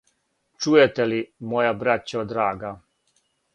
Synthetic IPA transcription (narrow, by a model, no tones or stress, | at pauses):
t͡ʃujet̪elimojabɾat͡ɕaod̪ɾaːɡa